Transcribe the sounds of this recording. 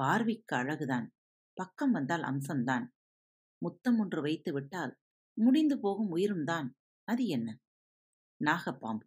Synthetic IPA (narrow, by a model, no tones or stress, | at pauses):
paːɾʋɪkːɐɐɻɐɣɯðaːn | pɐkːɐmʋɐnd̪aːlʔɐ̰msɐmt̪aːn | mʊt̪ːɐmɔndrɯʋɐɪt̪ːɯʋɪʈːaːl | mʊɽɪnd̪ɯpoːɣɯmʊjɪɾɯmd̪aːn | ɐðɯɛnːɐ | naːɣɐpːaːmbɯ